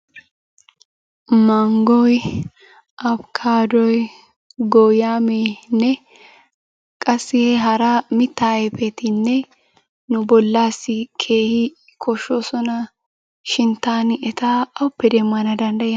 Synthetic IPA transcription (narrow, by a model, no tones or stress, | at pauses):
mɐŋɡɔj | ʔɐbkʰaːd̪ɔj | ɡɔjaːmeːnːɛ | kʼɐsɪheɦɐɾaːmɪt̪ːaːɛpɛt̪ɪnːɛ | nʊbɔlːaːsɪkʰeːhɪ | kʰɔʃːoːsɔnɐ | ʃɪnt̪aːnɪɛt̪aːɐʊpːɛd̪emːɐnɐd̪ɐnd̪ɐʔjɛ